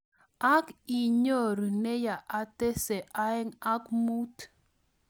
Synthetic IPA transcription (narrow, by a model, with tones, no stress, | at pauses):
a˦ki˨ɲo˦˨ɾne˦ja˨ʔa˨te˦se˨ʔa˦ɛ˦ŋa˦kmu˦t